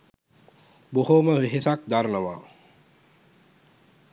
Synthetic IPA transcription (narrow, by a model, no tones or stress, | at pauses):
bohoməʋeɦesak̚d̪aɾnəʋa̰ː